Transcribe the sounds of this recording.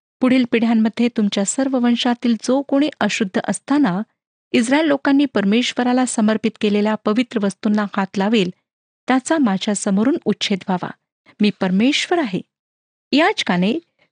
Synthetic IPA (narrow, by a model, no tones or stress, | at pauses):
puɽ̤iːlpiɽ̤jamːəd̪ʱːjet̪umt͡ɕjasəɾʋəʋənɕat̪iːld͡zokoɽ̃eʔəɕud̪ʱːəʔəst̪ana | is̬ɾaelːokanːiːpəɾmeɕʋəɾalasəməɾpit̪keleljapəʋit̪ɾəʋəst̪unːahat̪laʋiːl | t̪jat͡samad͡ʑʱjasəmoɾuːnutːɕʰet̪ʋʱaʋa̰ | miːpəɾmeɕʋəɾaɦḛ | jat͡ɕkaɽ̃e